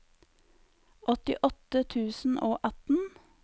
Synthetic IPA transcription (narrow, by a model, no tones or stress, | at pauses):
ʔɔt̪ɪʔɔt̪ət̪ʰʉːsn̩ʔoːʔɑt̪n̩